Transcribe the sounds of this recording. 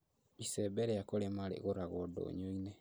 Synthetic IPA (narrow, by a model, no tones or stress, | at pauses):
isɛbɛɾɛakoɾemaɾḛɣoɾaɣɔdo̰ːɲoinɛ